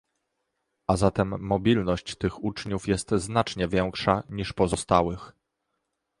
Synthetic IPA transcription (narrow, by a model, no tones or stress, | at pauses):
ʔazat̪ɛmːɔbʲilnɔɕt͡ɕt̪ɘxut͡ʂɲufjɛst̪znat͡ʂɲɛvʲjɛŋkʂaɲiʂpɔzɔst̪awɘx